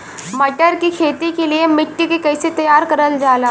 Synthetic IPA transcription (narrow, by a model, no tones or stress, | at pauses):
mɐʈəɾkikʰeːt̪ikeliemɪʈːikekɐɪset̪ɐjaːɾkɐɾəld͡ʒaːlaː